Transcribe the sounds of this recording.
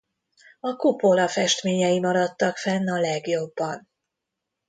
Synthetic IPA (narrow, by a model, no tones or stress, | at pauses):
ɒkupo̞lɒfɛʃt̪meːɲɛjimɒɾɒt̪ːɒkfɛnːɒlɛɡjo̞bːɒn